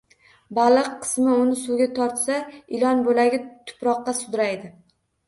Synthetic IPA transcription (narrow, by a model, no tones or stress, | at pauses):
balˠɨqʰːɨ̥smɪʊnɪsʊɡʲat̪ʰɒɾt̪saɪlɒnbolaɡʲɪt̪ʰʊ̥pɾɒqːɑsʊd̪ɾajd̪ɪ